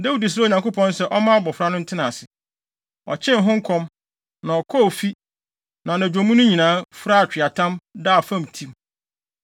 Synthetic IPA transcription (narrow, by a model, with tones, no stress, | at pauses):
dɛ˦wu˦˨di˨s̬ɾa˦˨ɲã˨ŋko˦pʰɔ̃˦n˦sɛ˦ʔɔ˦mã˦a˦bɔ˨fɾa˦nʊ̃˦n̩˦tʰɪ˦nã˨sɪ˨ | ɔ̰˨t͡ɕʰɪ̃˦nɦʊ̃˦ŋ̩˦kʰɔ̃˦m | nã˨ɔ˨kʰɔ˦˨fi˦ | nã˨nã˨d͡ʑᶣõ˨mũ˦nʊ̃˦ɲĩ˨nãː˦fɾa˦a˨t͡ɕᶣɪ˨a˨tʰã˦mdaː˦˨fã˦m˨tʰĩ˦m